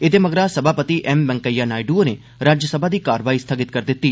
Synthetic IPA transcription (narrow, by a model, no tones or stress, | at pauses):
ɪt̪eməɡɾasəbʱaːpət̪iʔɛmbɛ̃ŋkəjːaːnaːiɖuone | ɾaːd͡ʒjəsəbʱad̪iːkaːɾʋaːist̪ʰaɡɪt̪̚kəɾd̪ɪt̪ːiː